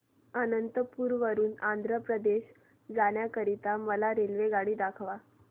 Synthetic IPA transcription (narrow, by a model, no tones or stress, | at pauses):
anənt̪əpuːɾʋəɾuːnand̪ʱɾəpɾəd̪eɕ | d͡zaɽ̃jakəɾit̪aməlaɾelʋeɡaɽiːd̪akʰʋa